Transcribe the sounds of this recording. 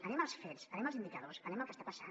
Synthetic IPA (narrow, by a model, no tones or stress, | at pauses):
ənɛməlˠsfɛtsənɛmalˠzind̪ikəðosənɛmalˠkəst̪ḁpasa̰